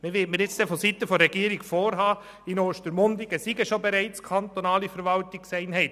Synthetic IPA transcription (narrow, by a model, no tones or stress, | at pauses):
mɪʋɪtməɾjɪt͡sd̥ɛfɔsit̪ːəfɔɾɛɡiːəɾɪɡfoːɾɦɑː | ɪnoːʃtəɾmʊndɪɡəsiɡəʃobɛɾɛɪt͡skʰɑntonɑːlifɛɾʋɑltɪksɛɪnɦɛɪt